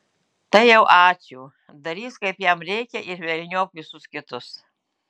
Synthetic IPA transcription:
t̪ɐɪjɛʊʔɑːt͡ʃʲuː | d̪ɐɾʲiːskɐɪpjɛmɾʲɛɪkʲɛʔɪɾʋʲɛlʲnʲoːkʋʲɪsʊskʲɪt̪ʊs

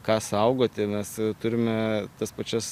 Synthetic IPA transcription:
kɑːsɐʊɡoːt̪ʲɪmʲɛst̪ʊɾʲɪmʲɛt̪ɐspɐt͡ʃʲɛs

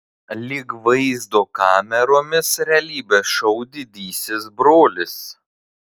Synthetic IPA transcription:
lʲɪkʋɐɪzd̪oːkɑːmʲɛɾoːmʲɪsɾʲɛlʲiːbʲesʃɐʊd̪ʲɪd̪ʲiːsʲɪs̬bɾoːlʲɪs

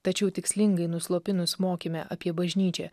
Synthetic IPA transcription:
t̪ɐt͡ʃʲɛʊt̪ʲɪksʲlʲɪŋɡɐɪnʊslˠoːpʲɪnʊsmoːkʲimʲɛʔɐpʲiɛbɐʒʲnʲiːt͡ʃʲɛ̰

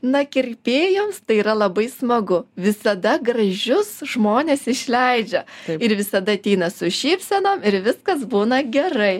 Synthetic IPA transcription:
nɐkʲɪɾʲpʲeːjoːmst̪ɐɪiːɾɐlˠɐbɐɪsmɐɡʊʋʲɪsɐd̪ɐɡɾɐʒʲʊsʒmoːnʲeːsɪʃʲlʲɛɪd͡ʒʲɛɪɾʋʲɪsɐd̪ɐɐt̪ʲɛɪnɐsʊʃʲiːpʲsʲɛnoːmɪɾʋʲɪskɐsbuːnɐɡʲɛɾɐɪ

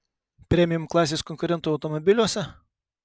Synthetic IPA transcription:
pʲɾʲɛmʲɪjʊmklˠɑːsʲeːskɔŋʲkʊɾʲɛnt̪uːɐʊt̪ɔmɔbʲɪlʲuɔsʲɛ

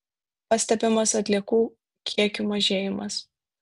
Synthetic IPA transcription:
pɐsʲt̪ʲɛpʲɪmɐsɐt̪ʲlʲiɛkuː | kʲʰiɛkʲʊmɐʒʲeːjɪmɐs

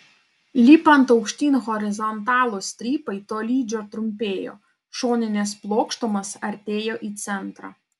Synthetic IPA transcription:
lʲiːpɐnt̪ɒʊkʃʲt̪ʲiːnʲɣɔɾʲɪzɔnt̪ɑːlˠusʲt̪ʲɾʲiːpɐɪt̪oːlʲiːd͡ʒʲoːt̪ɾʊmʲpʲeːjo̰ː | ʃoːnʲɪnʲeːsplˠoːkʃt̪ɔmɐsɐɾʲt̪ʲeːjoːʔiːt̪sʲɛnt̪ɾɑ̰ː

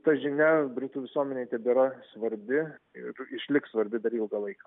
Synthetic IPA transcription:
t̪ɐʒʲɪnʲɛbʲɾʲɪt̪uːʋʲɪsuɔmʲɛnʲeɪt̪ʲɛbʲiːɾɐsʋɐɾʲbʲɪ | ɪrɪʃʲlʲɪkssʋɐɾʲbʲɪd̪ɐɾilˠɡɐlˠɐɪkɐ

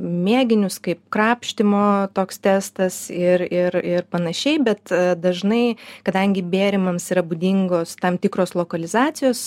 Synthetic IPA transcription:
mʲeːɡʲɪnʲʊskɐɪp̚kɾɑːpʲʃʲt̪ʲɪmoːt̪oːkst̪ʲæːst̪ɐsɪrɪɾɪrpɐnɐʃʲɛɪbʲɛt̪d̪ɐʒnɐɪkɐd̪ɐŋʲɡʲɪbʲeːɾʲɪmɐmsiːɾɐbud̪ʲɪŋɡoːst̪ɐmt̪ʲɪkɾoːslˠoːkɐlʲɪzɑːt̪sʲɪjoːs

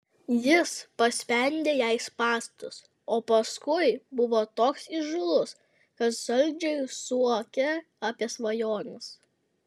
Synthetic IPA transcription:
jɪspɐsʲpʲɛnʲd̪ʲeːjɛɪspɑːsʲt̪ʊs | oːpɐskʊɪbʊʋoːt̪oːksiʒʊlˠʊs | kɐt̪ʒ̥ɐlʲd͡ʒʲɛɪsuɔkʲɛ | ɐpʲiɛsʋɐjoːnʲɪs

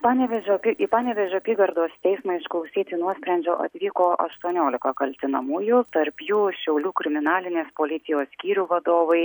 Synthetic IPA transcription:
pɑːnʲɛʋʲɛʒʲoːpʲiʔipɑːnʲɛʋʲɛʒʲʊɐpʲiːɡɐɾd̪oːst̪ʲɛɪsmɐɪʃklˠɐʊsʲiːt̪ʲɪnuɔsʲpʲɾʲɛnʲd͡ʒʲoːʔɐ̰t̪ʲʋʲiːkoːʔɐ̰ʃt̪uɔnʲoːlʲɪkɐkɐlʲt̪ʲɪnɐmuːjʊt̪ɐɾpjuːʃʲɛʊlʲuːkɾʲɪmʲɪnɑːlʲɪnʲeːspoːlʲɪt̪ʲɪjoːssʲkʲiːɾʲuːʋɐd̪oːʋɐɪ

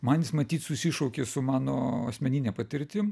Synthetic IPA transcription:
mɐnʲjɪsmɐt̪ʲiːt̪sʊsʲɪʃɔʊkʲeːsʊmɑːnoːɐsʲmʲɛnʲinʲɛːpɐt̪ʲɪɾʲt̪ʲɪm

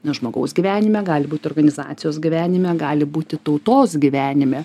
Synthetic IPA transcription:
ʒmoːɡɐʊsɡʲiʋʲæːnʲɪmʲɛɡɑːlʲɪbuːt̪ɪoːrɡɐnʲɪzɑ̰ːt̪sʲɪjoːsɡʲɪʋʲæːnʲɪmʲɛɡɑːlʲɪbuːt̪ʲɪt̪ɐʊt̪oːsɡʲɪʋʲæːnʲɪmʲɛ

